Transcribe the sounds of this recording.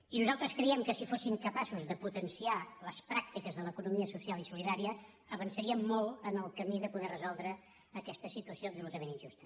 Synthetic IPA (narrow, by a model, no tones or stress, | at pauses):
inuzalˠt̪ɾəskɾɛiɛmkəsifosimkəpasuzðəput̪ənsialəspɾak̚t̪ikəzðələkunumiəsusialˠisuliðaɾiə | əβənsəɾiəmːolˠənəlˠkəmiðəpuðɛrəzɔlˠd̪ɾəː | kɛst̪əsit̪uəsiob̪unut̪əmẽninʲʒust̪ə̥